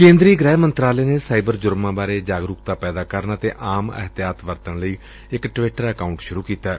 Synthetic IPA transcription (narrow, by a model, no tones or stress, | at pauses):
kẽːnd̪ɾiːɡɾɛːmənt̪ɾaːleːneːsaːibəɾd͡ʒʊɾmãːbaːɾeːd͡ʒaːɡɾʊːk̚t̪aːpɛːd̪aːkəɾənət̪eːʔaːmə̰ɦt̪ɪjaːt̪ʋəɾt̪ənləiː | ɪkʈʋɪʈəɾəkaːʊɳʈʃʊɾuːkiːt̪aː